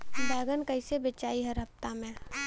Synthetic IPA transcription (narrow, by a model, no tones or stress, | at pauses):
bɛːɡənkɐɪsebet͡ʃaːiɦɐɾɦɐpt̪amẽ